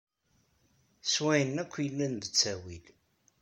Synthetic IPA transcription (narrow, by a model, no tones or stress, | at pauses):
swæjənækʷːjəlːænðət͡sːæwil